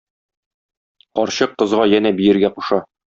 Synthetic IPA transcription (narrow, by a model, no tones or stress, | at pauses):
qɒɾɕɤq̚qɤ̆zʁɑjænæbijɘ̆ɾɡæquʃɑ